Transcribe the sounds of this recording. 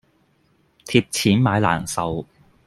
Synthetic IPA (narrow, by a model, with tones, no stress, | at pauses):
t̪ʰiː˧p̚t͡sʰiː˨˥nmaː˨˧jla̰ː˨˩nsɐ˨w